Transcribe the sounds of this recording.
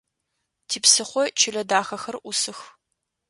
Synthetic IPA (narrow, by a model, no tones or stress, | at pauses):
tʰiːpsɨχʷɔt͡ʃʰɪɮɐdaːxɐxɐrʔʷʊsɨx